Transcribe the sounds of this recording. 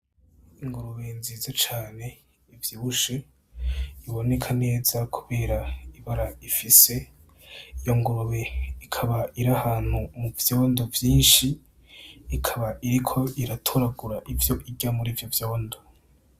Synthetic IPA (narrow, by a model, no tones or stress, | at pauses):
iŋɡuɾuwe̞nziːzat͡ʃaːne̞ | ivjiːβuʃe | iβo̞ne̞kʰane̞ːz̥akʰuβe̞ːɾaiβaɾaifise̞ | ijo̞ŋɡuɾuwe̞ikʰaβaiɾahaːn̥humuvjo̞ːndovjiːnʃiː | kʰaβaʔiɾikʰo̞ʔiɾatʰoɾaɡuɾaʔivjo̞ʔiɟamuɾiːvjo̞vjo̞ːndo